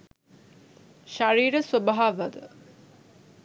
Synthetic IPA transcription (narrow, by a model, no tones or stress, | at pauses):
ʃaɾiːɾəsubaɦaʋəd̪ə